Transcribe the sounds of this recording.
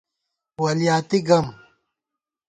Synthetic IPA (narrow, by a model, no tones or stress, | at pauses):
wɐlijaːt̪iɡɐm